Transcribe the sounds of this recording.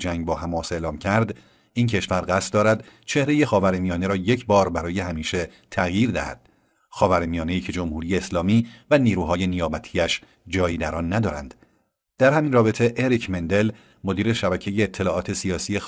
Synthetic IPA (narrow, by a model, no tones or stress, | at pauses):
d͡ʒæŋɟ̚bɒːhæmɒːse̞ʔlɒːmcʰæɾd̪ | incʰe̞ʃvæɾɣæst̪̚d̪ɒːɾæd̪t͡ʃʰe̞hɾe̞je̞xɒːvæɾemijɒːne̞ɾɒːje̞cʰbɒːɾbæɾɒːje̞hæmiːʃe̞ | t̪ʰæɣjiːɾd̪æ̰hæ̰d̪̥̚ | xɒːvæɾemijɒːne̞iːcʰe̞d͡ʒo̞mhuːɾijeːslɒːmiːvæniːɾuːɦɒːje̞nijɒːbæt̪ʰiæʃ | d͡ʒɒːjiːd̪æɾɒnːæd̪ɒːɾæ̰nd̪̥ | d̪̥æɾhæminrɒːbe̞t̪ʰeʔeɾicʰmend̪e̞l | mod̪iːɾe̞ʃæbæcʰe̞jeːt̪ʰːe̞lɒːʔɒːt̪ʰe̞siɒːsiːje